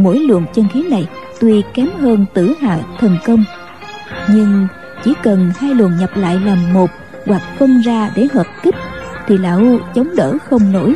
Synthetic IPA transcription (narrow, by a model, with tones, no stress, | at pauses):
mo̰˧˥jlwə̰˧˨ənt͡ɕə˧nxi˨˦na˨˩j | t̪wi˧kɛ˨˦mɦəː˧nt̪ɨ˧˩ɦa̰ː˧˨t̪ʰə˨˩nkə˧wŋ͡m | ɲɨ˧ŋ | t͡ɕi˧˩kə˨˩nhaː˧jlwə̰˧˨ənɲə˨˩p̚la̰ː˧˨jla˨˩ŋmo˨˩p̚ | ɣwa˨˩k̚fə˧nzaː˧ɗe˧˩˥ɦəː˨˩p̚ki˦˥p̚t̪ʰi˨˩la̰ː˧˨ʔu˧t͡ɕə˨˦wŋ͡mɗəː˧˩xə˧wŋ͡mno̰˧˩j